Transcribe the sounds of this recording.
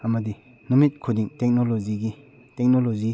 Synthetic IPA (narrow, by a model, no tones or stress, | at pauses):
ɐmɐdi | numit̚kʰudiŋtek̚noloziɡi | tek̚nolozi